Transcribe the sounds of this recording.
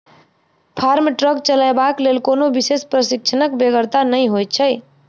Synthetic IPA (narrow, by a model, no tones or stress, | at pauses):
pʰaɾmʈɾəkt͡ʃəlajbaklelkonobisespɾəsik̚t͡ʃʰənəkbeɡəɾt̪anəjɦojt̪̚t͡ʃʰəj